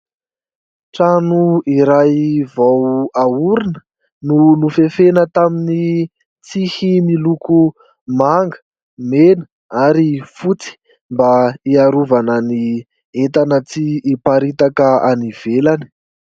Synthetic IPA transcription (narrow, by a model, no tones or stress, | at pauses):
ʈ͡ʂanuiɾajvawauɾinə̥ | nunufefenət̪amini | t͡sihimiluku | maŋɡə̥ | menə̥ | aɾifut͡si̥ | mbaiaɾuvanəni | et̪anət͡siːpaɾit̪akəa̰niv̥elani̥